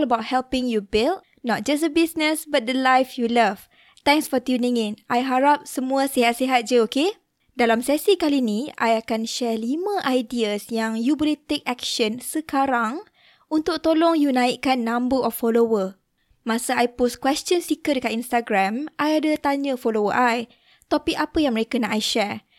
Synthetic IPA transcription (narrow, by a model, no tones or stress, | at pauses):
ləbawt̚hɛlpɪ̃ŋjubilt̚ | nɔt̚d͡ʒas̬dəbisnəsbat̪̚dəlajfjulav | t̪ɛ̃ŋsfɔt̪junɪ̃ŋĩnʔajɦaɾap̚səmũasiɦat̪̚siɦat̪̚d͡ʒuoke | dalamsɛsikalinĩa̰jakanʃɛlimãʔajdiasjaŋjuboliht̪ek̚ɛk̚ʃənsəkaɾaŋ | unt̪ʊk̚t̪olɔŋjunãikanːãmbəʔɔfːolowə | mãsaajposkwɛst͡ʃənsikədəkat̪inst̪aɡɾamʔajadət̪aɲə̃folowəʔaj | t̪ɔpikapəjaŋməɾekanaʔajʃɛɹ